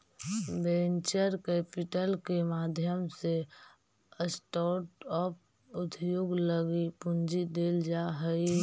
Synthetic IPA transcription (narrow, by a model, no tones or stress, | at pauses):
bẽːnt͡ʃəɾkɛːpɪʈəlkemaːd̪ʱjəmse | əsʈɔːʈɔːp̚ | ʊt̪ʰjoːɡləɡipʊ̃nd͡ʒid̪eːld͡ʒaɦəi